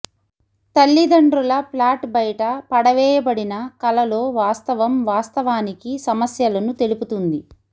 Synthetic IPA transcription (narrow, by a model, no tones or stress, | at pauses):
t̪ɐlːid̪ɐɳɖɾulɐplaːʈbɐjʈɐpɐɽɐʋɛːjɐbɐɽinɐkɐlɐlo̞ːʋaːst̪ɐʋɐmʋaːst̪ɐʋaːnikisɐmɐsjɐlɐnut̪e̞luput̪und̪i